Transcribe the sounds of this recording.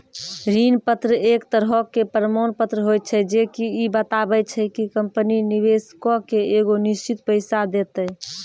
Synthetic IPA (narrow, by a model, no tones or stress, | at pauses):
ɾinpət̪ɾəekt̪əɾɦɔkːepəɾəmonpət̪ɾəɦojt̪t͡ʃʰɛd͡ʒekiibət̪abɛt͡ʃʰɛkikəmpəniniβeskɔkeeɡonist͡ʃit̪̚pəɪsad̪et̪əj